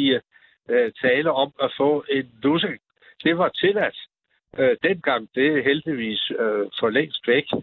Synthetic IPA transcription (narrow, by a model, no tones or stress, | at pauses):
i | t͡sʰɛːləɒ̽mæfɔ̰̽ːe̝nluseŋ | d̥e̝ʋɑ̈t͡sʰe̝læd̥ | d̥enɡ̥ɑ̈ŋ̰d̥e̝ɦeld̥iʋḭːsfɒleŋ̰sd̥ʋeɡ̥